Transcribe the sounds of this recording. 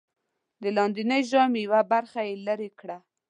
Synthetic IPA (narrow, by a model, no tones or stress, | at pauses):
d̪əlɑnd̪inəjʒɑmejawabaɾxajeləɾekɽa